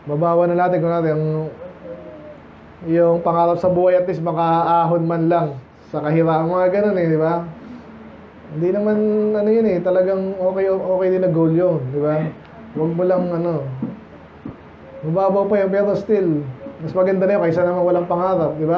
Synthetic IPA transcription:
mɐbaːwɐnɐnaːt̪ɪnkʊnaːt̪ɪɐŋ | jʊŋpɐŋaːɾɐp̚sɐbuːhɐjɐt̪lismɐkɐʔaːɦonmanlɐŋ | sɐkɐɦɪɾaːʔɐŋmɐŋaɡɐno̞nɛd̪ɪba | hɪnd̪inɐmanɐnojʊnɛt̪ɐlɐɡaŋʔo̞ːkɛjoʔo̞ːkɛjd̪ɪnɐɡowljond̪ɪba | wɐɡ̚mʊlaŋɐno̞ | mɐbaːbɐwpɐjʊŋpɛːɾo̞st̪ɪlmɐsmɐɡɐnd̪anɐjoŋkɐʔsanɐmanwɐlaŋpɐŋaːɾɐp̚d̪ɪba

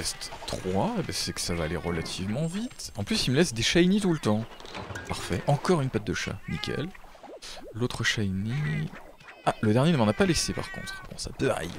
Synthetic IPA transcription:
ɛst̪χwaebɛsɛkə̥savaːleʁəlat̪ʰivmɑ̃vit̪ɑ̃plysiməlɛsd̪eʃajnit̪ulət̪ɑ̃paʁfɛʔɑ̃kɔʁynpat̪̚d̪əʃa̰nikʲɛ̰l | lot̪χəʃaini | aləd̪ɛʁnjenəmɑ̃napalesepa̰ʁkɔ̰̃t̪χbɔ̰̃sa̰pøa̰ɛ̰j̰

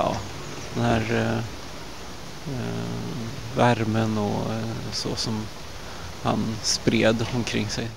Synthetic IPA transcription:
jɑ̰ː | d̪̥ɛnhæːɾ | væɾmənɔsɔsɔm | ha̰nspɾeːd̪ɔmkʰɾɪŋːsɛj

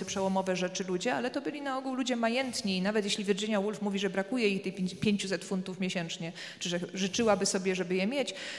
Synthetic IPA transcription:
ɘpʂɛwɔmɔvɛʐɛt͡ʂɘlud͡ʑɛalɛt̪ɔbɘlʲinaɔɡuwlud͡ʑɛmajɛnt̪ɲiːnavɛt̪jeɕlʲivʲjɛɾd͡ʑɘɲawulfmuvʲiʐɛbɾakujɛixt̪ɛjʲpʲjeɲt͡ɕusɛt̪funt̪ufmjeɕɛnt͡ʂɲɛ | t͡ʂɘʐɛʐɘt͡ʂɘwabɘsɔbʲjɛʐɛbɘjɛmʲjet͡ɕ

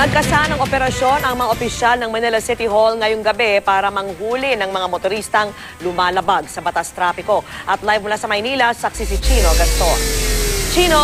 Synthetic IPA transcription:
nɐɡ̚kɐsaʔɐnɐŋʔo̞pɛɾɐʃjo̞nɐŋmɐŋaʔopɪʃalnɐŋmɐnɛlɐsɪt̪ɪɦolŋɐjoŋɡɐbɛpaːɾɐmɐŋhuːlɪnɐŋmɐŋamot̪oɾiːst̪ɐŋ | lʊmaːlɐbaɡ̚sɐbɐt̪ast̪ɾaːpɪko̞ʔɐt̪lajvmʊlasɐmɐjniːlɐsɐksisɪt͡ʃiːnoɡɐst̪o | t͡ʃino

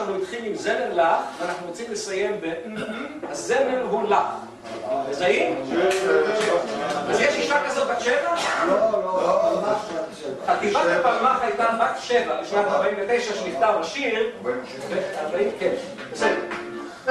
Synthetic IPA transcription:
aχnunit̪χilimzenenlaχveanaχnuʁot͡simlesajembe | azːenenɦulaχ | bezaim | aʃevaazjɛʃiʃakazot̪̚batʃevaoooaa | vχat̪ifʃaepalmaχajt̪abatʃevabiʃnat̪aʁbaimvet̪e̞jʃaʃenift̪aʁaʃiʁ | veabaimken | besed̪e

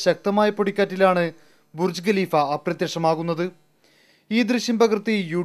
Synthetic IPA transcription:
ɕɐk̚t̪ɐmaːjɐpo̞ɽikʲːaːtːilaːɳɨ | burd͡ʑɨɡɐliːfɐːprɐt̪jeʂɐmaːɣunːɐðɨ | iːd̪rɨɕjɐmbɐɣrt̪ːijuː

